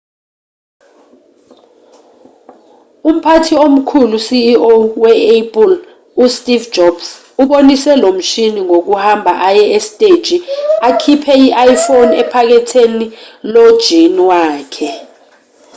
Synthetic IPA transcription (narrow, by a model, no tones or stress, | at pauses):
um̩pʰatʰiom̩kʰulusiːowɛepʼil | ustʼiv̥d͡ʒʱɔb̥s | uɓonisɛlom̩ʃiniŋok̬uhambʱaʔajɛestʼed̥ʒ̥ʱiakʰipʰɛiʔajifonɛpʰak̬ɛtʰenilɔd̥ʒ̥ʱiniwaːkʰɛ